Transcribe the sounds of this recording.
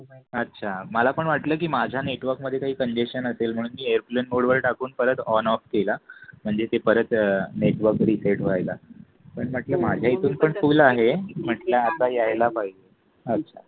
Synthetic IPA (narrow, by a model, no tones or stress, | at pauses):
ətːɕʰaməlapəɳʋaʈləːk̬iːmad͡ʑʱjaneʈʋəɾkməd̪ʱːjekaɦiːkəɲd͡ʑeɕənəselm̤əɽ̃uːnmiːejəɾplenmoɽʋəɾʈakuːnpəɾət̪ɔnɔfkelam̤əɳd͡zet̪epəɾət̪neʈʋəɾkɾisaʈʋajla | pəɳʋaʈləːmad͡ʑʱjait̪uːnpəɳfulaɦem̤əʈlaːt̪ajajlapaɦid͡ʑe | ətːɕʰa